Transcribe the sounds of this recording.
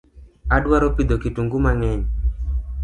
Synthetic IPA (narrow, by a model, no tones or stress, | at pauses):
adwaɾopid̪okituŋɡumaŋɛɲ